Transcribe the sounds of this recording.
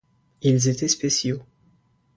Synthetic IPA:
ilzet̪ɛspesjo

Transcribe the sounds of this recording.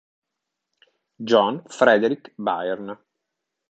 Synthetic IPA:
d͡ʒɔnfɾɛd̪eɾikba̰jɛrn

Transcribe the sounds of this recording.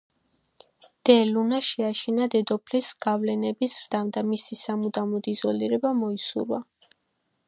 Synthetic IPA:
d̪̥ɛlunaʃɛaʃinad̪ɛd̪ɔpʰlisɡ̥avlɛnɛbisɾd̪amd̪amisisamud̪amɔd̪izɔliɾɛbamɔisṵɾva̰

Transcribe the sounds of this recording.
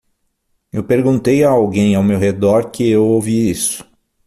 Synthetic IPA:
ewpeɾɡũnt̪ejaawɡẽj̃awmewɦed̪ɔɾkɪewowviisʊ̥

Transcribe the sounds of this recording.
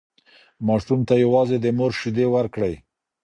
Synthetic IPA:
mɑʂumt̪ajawɑzed̪əmoɾʃud̪ewaɾkɽəj

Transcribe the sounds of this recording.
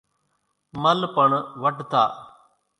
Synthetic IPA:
mɐlpəɳʋəʈt̪a̰ː

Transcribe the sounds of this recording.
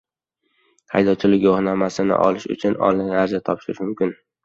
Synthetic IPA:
hajd̪ɒt͡ʃʰɪlɪkʲohnamasɪnɪ̰ʔɒ̰lɪʃʊ̰t͡ʃʰʊnɒ̰lɪŋaɾzat̪ʰɒpʃɪɾɪʃmʊmkʲɪn

